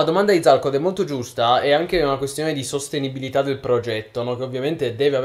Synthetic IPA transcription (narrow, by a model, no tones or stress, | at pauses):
ad̪omand̪ad̪id̪zalkod̪ɛmolt̪od͡ʒust̪aɛaŋk̟eunakwest̪joːned̪isost̪enibilit̪ad̪ːelpɾod͡ʒɛt̪ːonɔk̟eovːjament̪ed̪ɛːveav